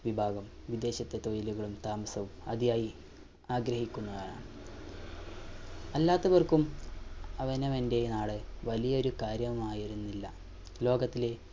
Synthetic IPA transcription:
ʋibʱaːɡɐmʋid̪e̞ːɕɐt̪ːe̞t̪o̞ːjiluɣɐɭumt̪aːmɐsɐʋumɐ̰ðijaːji | aːɡɾɐhikʲːunːɐkaːɳa̰ːɳɨ | ɐlːaːt̪ːɐʋɐrkum | ɐʋɐnemende̞naːɭɨʋɐlijɐo̞ɾukaːɾjɐʋumaːjiɾunːilːɐ | lo̞ːɡɐt̪ːile̞

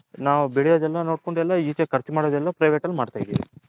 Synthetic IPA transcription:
naːʋubeɭijod̪ɛlːɐno̞ːɽko̞ɳɖɛlːɐiːt͡ʃekɐɾt͡ʃimaːɽod̪ɛlːɐpɾɐjʋeːʈɐlːmaːɽt̪aːjd̪ḭːʋḭ

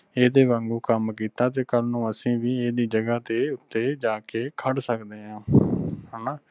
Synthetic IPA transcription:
eːd̪eːbə̃ŋɡuːkəmkiːt̪aːt̪eːkəlnũːəsĩːʋiːeːd̪iːd͡ʒəɡaːt̪eːʊt̪ːeːd͡ʒaːkeːkʰəɽsəkd̪eːɦãːɦəːnaː

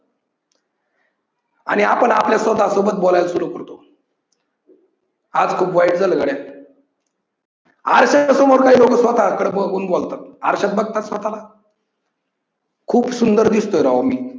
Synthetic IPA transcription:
a̰ɽ̃iapəɳapljasəd̪ʱasobət̪̚bolajlsuɾukəɾt̪o | ad͡zkʰuːpʋaiʈd͡zaləɡəɽja | a̰ɾɕasomoɾkaɦiːlokəsʋət̪akəɽbəɡuːnbolt̪at̪̚a̰ɾɕat̪̚bəɡ̚t̪at̪sʋət̪ala | kʰuːpsund̪əɾd̪ist̪ojɾaomiː

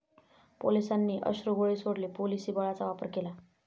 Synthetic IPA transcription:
polisanːiʔʌ̰sroɡoɭisoɽlepolisibaɭat͡sawapʌrkela

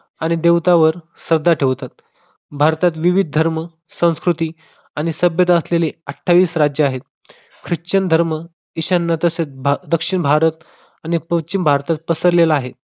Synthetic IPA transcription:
aɽ̃id̪eʋt̪aʋəɾsəɾd̪ʱaʈʰeʋt̪at̪̚ | bʱaɾt̪at̪̬ʋiʋid̪̚ʱd̪ʱəɾmə | sə̃w̃skɾut̪iː | aɽ̃isəbjət̪aəsleleəʈʰːaʋiːsɾad͡ʑjəaɦet̪ | kʰɾit͡ɕəɳd̪ʱəɾmə | iɕanːat̪əset̪̚bd̪əkʂiɳbʱaɾət̪ | aɽ̃ipət͡ɕimbʱaɾt̪at̪̚pəsəɾlelaːɦet̪̚

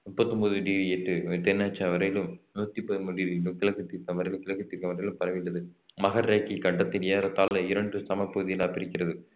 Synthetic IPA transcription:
mʊpːɐt̪ːɯmboːðɯɖiːʋiɛʈːɯt̪ɛnːaːt͡ʃːaʋɐɾɐjɪlɯmnuːt̪ːipːoːjmʊɽiɾlkɪlɐkːɯt̪ːiːɾkɐʋɐɾɐjɪlɯmkɪlɐkːɯt̪ːiːɾkɐmʋɐɾɐjlɯmpɐɾɐʋɪlːɐðɯmɐɣɐɾːeːkːikɐɳɖɐt̪ːɪnjɐɾɐt̪ːaːlɐɪɾɐɳɖrɯsɐmɐpːɐɯðɪjɐlaːpɪɾɪkʲːɪɾɐðɯ

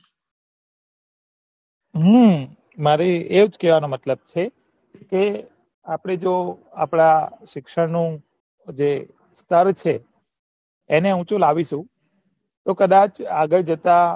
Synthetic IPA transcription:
ɦũ | maɾeeʋd͡ʒkɛʋanomət̪ləb̚t͡ʃʰe | ke | apɽ̃ed͡ʒo | a̰pɽ̃aʃɪkʃəɾnũ | d͡ʒe | st̪ʰəɾt͡ʃʰe | neɦũt͡ʃũlaʋiʃũ | t̪okəd̪at͡ʃaɡəɭd͡ʒət̪a

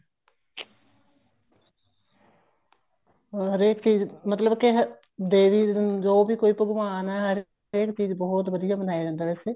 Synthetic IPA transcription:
ɦəɾeːkt͡ʃiːzmət̪ləbkɪɦə | d̪eːʋiːd͡ʒoːbiːkoːiːpəɡʊmaːnɛːɦəɾ | eːkt͡ʃiːzbɔːt̪ʋəd̪ijaːbənaːed͡ʒãːnd̪aːʋɛːseː

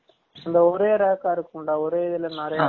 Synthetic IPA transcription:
ɪnd̪ɐɔɾeːɾɐɐkːaːɪɾɯkːɯɳɖaɔɾeːɪðɪlɐnɐɾɐj

